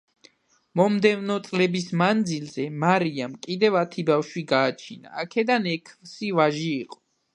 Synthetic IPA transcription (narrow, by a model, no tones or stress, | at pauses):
mɔmd̪ɛvnɔt̪sʼlɛbismand̪zilzɛmaɾiamkʼid̪ɛvat̪ʰibafʃwiɡaːt͡ʃʰina̰ːkʰɛd̪anɛkʰsivaʒiːqʼɔ̥